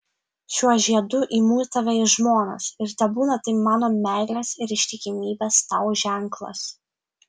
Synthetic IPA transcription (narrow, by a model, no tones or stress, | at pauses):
ʃʲuɔʒʲiɛd̪ʊʔiːmuːt̪ɐʋʲɛɪʒmoːnɐ̰sɪɾt̪ʲɐbuːnɐt̪ɐɪmɑːnoːmʲæˑɪlʲɛsɪɾɪʃʲt̪ʲɪkʲɪmʲiːbʲest̪ɐʊʒʲæˑŋklˠɐ̰s